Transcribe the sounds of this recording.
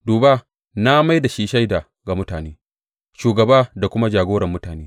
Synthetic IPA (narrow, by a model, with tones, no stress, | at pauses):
duː˨baː˦ | na˦ma˦jda˨ʃi˦ʃa˦jda˨ | ɡa˨mʊ˦taː˨neː˦ | ʃuː˨ɡɐ˨baː˦da˨kʷʊ˦ma˦d͡ʒaː˨ɡoː˦ɽɐ˨mːʊ˦taː˨neː˦